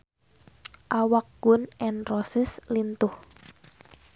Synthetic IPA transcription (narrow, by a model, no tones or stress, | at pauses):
ʔawak̚ɡ̥ʊnɛnrɔsɪslint̪ʊh